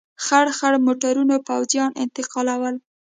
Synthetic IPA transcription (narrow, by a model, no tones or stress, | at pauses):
xaɽxaɽmoʈaɾunopawzjɑnʔɪ̰nt̪ɪqɑlawəl